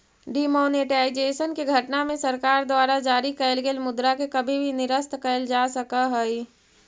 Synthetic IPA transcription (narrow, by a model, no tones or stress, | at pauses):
ɖimoːneʈaːɪd͡ʒeːʃənkeɡʱɐʈnamẽsɐɾkaːɾd̪waːɾad͡ʒaːɾikəəlɡelmʊd̪ɾakekɐbʱibʱinɪɾəst̪ʰkəld͡ʒaːsəkaɦɛi